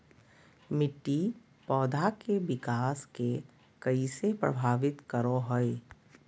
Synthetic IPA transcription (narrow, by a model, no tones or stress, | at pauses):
mɪʈːi | pɔːd̪ʱakebɪkaːske | kəisepɾə̰bʱaːʋɪt̪kəɾoɦɔe